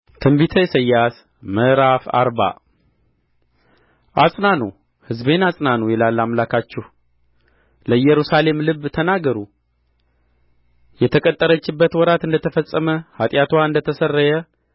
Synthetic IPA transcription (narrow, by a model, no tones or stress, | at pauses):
t̪ʰɨmbit̪ʰəjsəjːas | məɾafa̰ɾba̰ | ʔasʼnanṵ | hɨzbenasʼnanujɛlalːamlakʰat͡ʃːɛh | ləɨjːɛɾusale̞mlɨβːt̪ʰənaɡəɾu | jɛt̪ʰəkʼət̪ʼːəɾət͡ʃːɪbːət̪wɔɾat̪ɨnd̪ət̪ʰəfəsʼːəməhat̪ʼjat̪ʰwaɨnd̪ət̪ʰəsərːəjə